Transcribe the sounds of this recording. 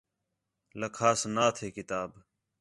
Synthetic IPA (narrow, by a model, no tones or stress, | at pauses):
ləkʰaːsnaːt̪ʰeːkɪt̪aːb